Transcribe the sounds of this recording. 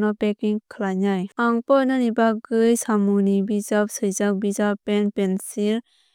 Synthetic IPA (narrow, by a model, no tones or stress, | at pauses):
nɔpekiŋkʰlaɲajaŋpɔnɔnibaɡɯjsamunibizap̚sɯjzak̚bizapɛnpɛnsiɾ